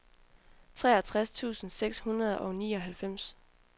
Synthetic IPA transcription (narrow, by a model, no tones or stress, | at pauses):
t͡sʰʁɛ̰ːɐt͡sʰʁast͡sʰṵːsn̩seɡ̥shunʁɐð̞ˠʔɒ̽ʊniːɒ̽ɦælfem̰s